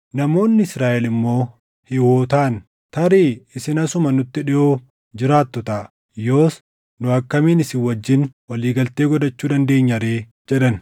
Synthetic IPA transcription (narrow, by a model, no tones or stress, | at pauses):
nɐmo̞ːnːɪɪsɾaːʔɛlɪmːo̞ː | hɪwoːt̪aːn | t̪ɐɾiːɪsɪnɐsʊmɐnʊt̪ːɪᶑɪʔoː | d͡ʒɪɾaːt̪ːɔt̪ɐ | jo̞ːs | nʊɐkːɐmiːnɪsɪwːɐd͡ʒːɪnwɐliːɡɐlt̪e̞ːɡɔd̪ɐt͡ʃːuːd̪ɐnd̪e̞ːɲːɐɾe̞ː | d͡ʒɛᶑɐn